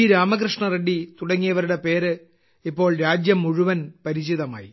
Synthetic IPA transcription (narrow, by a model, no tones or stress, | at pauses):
ɾaːmɐkɾɨʂɳɐreɖit̪uɽɐŋːijɐʋɐɾuɽe̞pe̞ːɾɨ | ipːo̞ːɭɾaːd͡ʑjɐmːuɻuʋɐnpɐɾit͡ɕiðɐma̰ːji